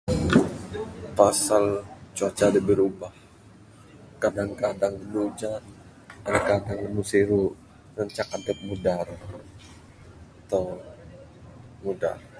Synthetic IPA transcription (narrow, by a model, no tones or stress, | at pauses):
pasalt͡ʃuat͡ʃadəbəɾubah | kadaŋkadaŋlənud͡ʒa | anakadaŋləmusiɾu | nəɲt͡ʃakad̪əp̚mudar | at̪a | muda̰r